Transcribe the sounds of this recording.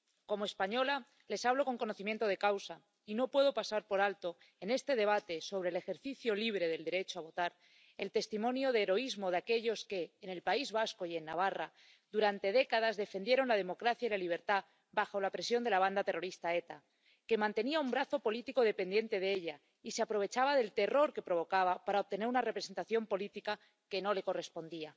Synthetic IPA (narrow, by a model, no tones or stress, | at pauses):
ko̞moe̞spaɲo̞la | le̞saβ̞lo̞ko̞ŋko̞noθimje̞nt̪o̞ð̞e̞kawsa | ino̞pwe̞ð̞o̞pasaɾpo̞ɾalt̪o̞ | e̞ne̞st̪e̞ð̞e̞β̞at̪e̞so̞β̞ɾe̞le̞xe̞ɾθiθjo̞liβ̞ɾe̞ðe̞ld̪e̞ɾe̞t͡ʃoaβo̞t̪aɾ | e̞lt̪e̞st̪imõ̞njo̞ð̞e̞ːɾo̞izmo̞ð̞eake̞ʎo̞ske̞ːne̞lpaizβasko̞je̞nːaβ̞ara | ðuɾant̪e̞ð̞e̞kað̞azðe̞fe̞nd̪je̞ɾo̞nlað̞e̞mo̞kɾaθjailaliβ̞e̞ɾt̪a | baxo̞lapɾe̞sjo̞nd̪e̞laβ̞and̪at̪e̞ro̞ɾist̪ae̞t̪a | ke̞mãnt̪e̞niaumbɾaθo̞po̞lit̪iko̞ð̞e̞pe̞nd̪je̞nt̪e̞ð̞eeʎa | iseapɾo̞β̞e̞t͡ʃaβað̞e̞lt̪e̞ro̞ɾke̞pɾo̞β̞o̞kaβapaɾaoβ̚t̪ene̞ɾunare̞pɾe̞se̞nt̪aθjo̞mpo̞lit̪ika | ke̞no̞le̞ko̞re̞spo̞nd̪ia